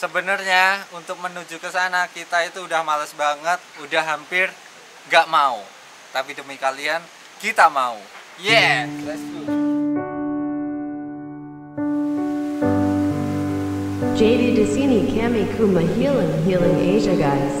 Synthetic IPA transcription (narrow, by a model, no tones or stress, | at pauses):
səbənərɲaunt̪ʊk̚mənud͡ʒukəsanakit̪ait̪uːdahmaləsbaŋət̪̚udahːampɪr | ŋɡaʔmau | t̪apidəmikalian | kit̪amau | jɛlasu | d͡ʒedidəsinikʰɛmikʰumaɦilɪŋɦilɪ̃ŋeʒaɡajs